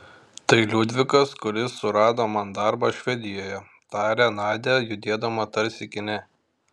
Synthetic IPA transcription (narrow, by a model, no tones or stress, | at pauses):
t̪ɐɪlʲʊd̪ʲʋʲɪkɐskʊɾʲɪsːʊɾɑːd̪oːmɐnd̪ɑɾbɐʃʲʋʲɛd̪ʲɪjoːjɛ | t̪ɑːɾʲɛnɑːd̪ʲɛjʊd̪ʲeːd̪ɐmɐt̪ɐɾʲsʲɪkʲɪnʲɛ